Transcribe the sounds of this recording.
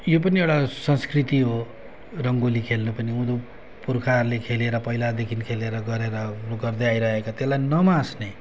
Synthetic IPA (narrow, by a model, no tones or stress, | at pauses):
jop̬ʌniewʈasʌnskrit̪iɦo | rʌŋɡolikʰelnʌpʌniũd̪o | purkʰarlekʰeleɾʌpʌɦjlad̪ekʰinkʰeleɾʌɡʌɾeɾʌɡʌrd̪ʌjajɾʌɦekat̪elajnʌmãsne